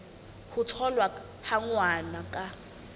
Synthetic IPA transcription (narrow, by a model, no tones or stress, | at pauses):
hutʰɔlwa | haŋwanakʼa